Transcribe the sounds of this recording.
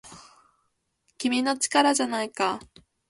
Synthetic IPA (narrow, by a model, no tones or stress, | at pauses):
kʲimʲino̞t͡ɕi̥kaɾaʑanaika